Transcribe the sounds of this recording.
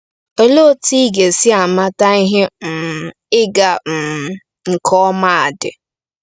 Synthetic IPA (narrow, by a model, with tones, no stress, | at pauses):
o˦lo˦ti˦ɡe˨sɪ˦a˨ma˦ta˦i˦ɦɪ˦m̩˨ | ɪ˦ɡa˨m̩˨ | ŋ̩˨kʰɔ˦ma˦˨a˨dɪ̰˨